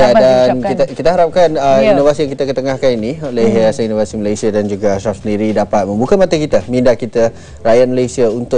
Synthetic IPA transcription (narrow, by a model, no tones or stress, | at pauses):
adankit̪akit̪aɦaɾap̚kanəinovasijaŋkit̪akət̪əŋahkaniniolɛɦasaninovasiməlajsiadand͡ʒuɡasafsəndiɾidapat̪̚mə̃mbukamat̪akit̪amĩndakit̪a | ɾajat̪̚məlajsiaunt̪ʊ